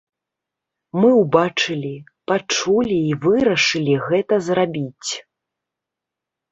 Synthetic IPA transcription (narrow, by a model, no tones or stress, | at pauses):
mɨwbat͡ʂɨlʲi | pat͡ʂulʲiːvɨɾɐʂɨlʲiɣɛt̪ɐzrabʲit͡sʲ